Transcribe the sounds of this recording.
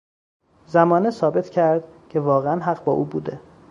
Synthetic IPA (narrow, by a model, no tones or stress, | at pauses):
zæmɒːnesɒːbe̞t̪ʰcʰæɾd̪̥cʰe̞vɒːɣeænɦæɢbɒːʔuːbuːd̪e